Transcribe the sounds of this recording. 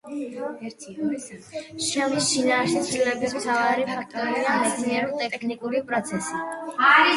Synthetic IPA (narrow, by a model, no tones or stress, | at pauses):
ʃɛmisʃinaːʃit̪sʰvilɛbismt̪ʰavaɾipʰak̚ʰt̪ʼɔɾiamit̪sʰniɛɾɔt̪ʼɛkʰnikʼuɾipʼɾɔt̪sʰɛsi